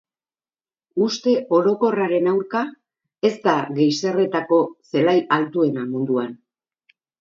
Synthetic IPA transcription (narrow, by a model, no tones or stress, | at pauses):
ust̪e̞ʔo̞ɾo̞ko̞raɾe̞nawɾka | e̞st̪aɣe̞jse̞re̞t̪ako̞se̞lajalt̪ue̞namund̪uan